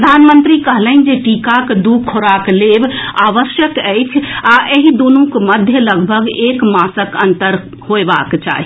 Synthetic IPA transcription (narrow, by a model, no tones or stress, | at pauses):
əd̪ʱanmənt̪ɾikəɦləɦn̆d͡ʒeʈikakd̪uɡkʰoɾaklebaʋəsjəkəjt͡ʃʰaʔeɦid̪onũkməd̪ʱjələɡbʱəɡekmasəkənt̪əɾ | hoeba̰kt͡ʃa̰ɦi